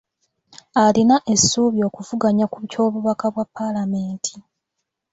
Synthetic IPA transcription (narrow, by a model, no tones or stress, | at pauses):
alinaʔe̞sːuːβjo̞ːkuvuɡaɲakuβco̞ːβuβakaβwapːalame̞ːntʰi̥